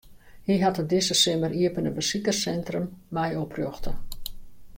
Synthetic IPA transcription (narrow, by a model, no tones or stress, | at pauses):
hiɦatədɪsəsɪməriəpənəbəsikərsɛntrəmːɛjoproxtə